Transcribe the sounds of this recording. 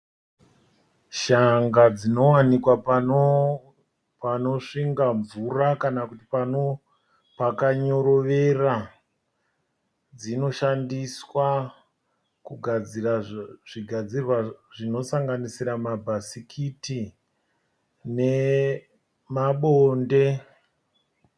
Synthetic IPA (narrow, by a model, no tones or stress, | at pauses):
ʃaŋɡad͡zino̞wanikwapan | pano̞ʂiŋɡaɱvurakanakutipano | pakaɲo̞ɾo̞ʋe̞ra | d͡zino̞ʃandiswa | kuɡʱad͡ziraʐiɡʱad͡zirwaʐino̞saŋɡanisiɾamabʱasikʰiti | ne̞ | maɓonde̞